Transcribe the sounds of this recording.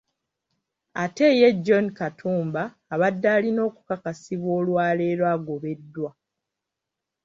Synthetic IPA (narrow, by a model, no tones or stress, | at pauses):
ate̞je̞ɟːo̞nkatʰuːmbaːβadːaːlino̞ːku̥kakasiβwo̞ːlwaːle̞ːɾwaːɡo̞βe̞dːwa